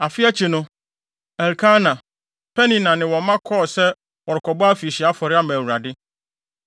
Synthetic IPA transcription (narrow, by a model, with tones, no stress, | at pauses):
a˨fɪ˦a˦t͡ɕʰi˨nʊ̃˦ | ɛ˨ɾkʰã˦nã˨ | pʰɛ˦nĩ˨nã˨nɪ̃˨wɔ̃˨mã˦kʰɔ˦˨sɛ˦ | wɔ˨ɾkʰɔ˨bɔ˦a˦fi˨ɕi˨a˦fɔ˨ɾɪ˦a˦mãː˨wu˨ɾa˨dɪ˦